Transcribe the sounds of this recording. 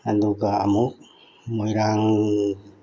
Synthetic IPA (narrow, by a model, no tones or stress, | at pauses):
and̪uɡaamo | moiɾaŋ